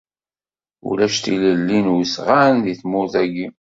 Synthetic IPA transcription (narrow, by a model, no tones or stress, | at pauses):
ṵlæʃt̪ḭləlːinwsʁanðiθmʊɾθæɡi